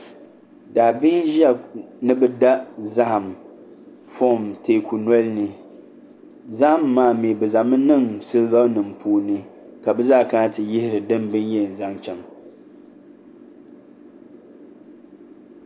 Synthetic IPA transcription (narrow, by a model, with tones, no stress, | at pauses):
daː˨bi˦nʒa˦˨nɨ˦bɛ˦da˦ʔza˦ʔa˨m | fɔ˦˨mteː˨kʰu˨nɔ˦lnɨ˨ | za˦ʔmːaː˨˦˨mi˨bɛ˨za˨mɨ˦nɨ˦˨ŋsɨ˦lva˦nɨ˨mpʰuː˦˨nɨ˦ | ka˨bɨ˦zaː˦˨ka˦a˦tɨ˨jɪ˦hɪ˦ɾɨ˨dɨ˦mbɨ˦njɛ˦˨n̩˨za˦ŋt͡ʃɛ˨ŋ